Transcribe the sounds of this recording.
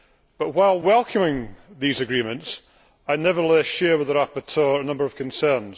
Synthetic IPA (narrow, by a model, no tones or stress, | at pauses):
b̥ʌʔwaɪlˠwɛlˠkʰə̃mɪ̃ŋðizɨɡɹimə̃nts | aɪnɛvəlˠɛsʃɛɹwɪðəɹapə˞tʰɜɹənʌ̃mbə˞əv̥kʰə̃nsɜ˞nz̥